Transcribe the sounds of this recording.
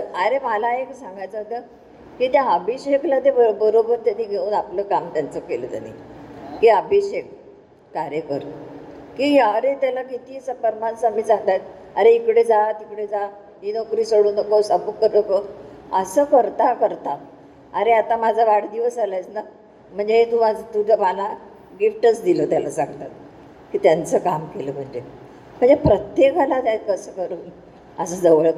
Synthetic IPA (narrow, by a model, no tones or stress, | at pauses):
əəɾeməlaeksãŋɡajt͡səmət̪ə | kiːt̪jãəbʱiɕeklat̪ebəɾobəɾt̪janːiːɡʱeuːnapləkamt̪jant͡səkelə̰t̪ja̰nːḭkiabʱiɕek̚ː | aɾekə̰ɾ | kiaɾet̪jalakit̪iːsəpəɾmansamiːt͡saŋt̪ajt̪̚ | əɾeikɽed͡zat̪ikɽed͡za | ɦinokɾiːsoɽuːnəkosabukːəɾnəkəəsəːkəɾt̪akəɾt̪a | aɾeat̪amad͡zʱaʋaɽd̪iʋəsalajt͡sna | m̤əɳd͡zeɦet̪uat̪ud͡zʱəmala | ɡifʈət͡sd̪ilət̪jalasãŋɡt̪at̪̚ | kiːt̪jant͡səkamkeləm̤əɳd͡ʑe | m̤əɳd͡zepɾət̪jekəlat̪ajt̪̚kəsəkəɾuːn | əs̬əd͡zəʋəɭ